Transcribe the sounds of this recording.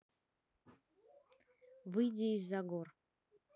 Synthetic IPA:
vɨjdʲeizːaɡor

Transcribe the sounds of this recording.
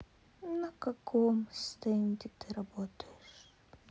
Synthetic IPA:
nəkɐkʰomst̪ɛnʲd̪ʲɪt̪ɨɾɐbot̪əjɪʂ

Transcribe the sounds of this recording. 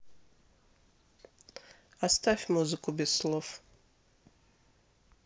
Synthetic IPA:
ast̪ʰafʲmuzɨkʰʼubʲezslˠof

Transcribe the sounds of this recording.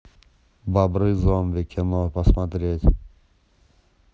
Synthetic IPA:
babɾɨzɔmvekʲʰenɔpasmat̪ɾʲet̪ʲ

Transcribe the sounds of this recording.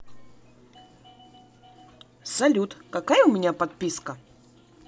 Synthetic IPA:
sɐlʲut̪kɐkajəʊmʲɪnʲapɐt̪̚pʲiskə

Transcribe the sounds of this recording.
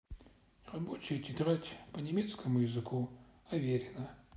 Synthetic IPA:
ʁɐbot͡ʃʰejtʰʲit̪ʁatʲpɐnʲemʲet̪skʰɐmujɪzɨkʰuɐvʲeɾʲɪnɐ

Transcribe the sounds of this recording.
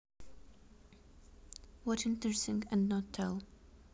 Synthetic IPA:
wɔtɪ̃ntɹɛsɪ̃ŋɨ̃nnətʰːɛ̰lˠ

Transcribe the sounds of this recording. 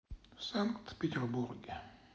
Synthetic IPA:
saŋkt̪pet̪ʲɛrburɡ

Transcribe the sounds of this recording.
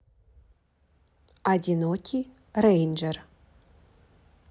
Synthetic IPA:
adʲinokʰʲi | rejnd͡ʒɛr

